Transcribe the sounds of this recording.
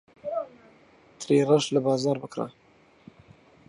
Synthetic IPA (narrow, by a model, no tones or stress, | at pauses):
t̪ʰɾeraʃlabɑːzɑːɾbɨkɾa̰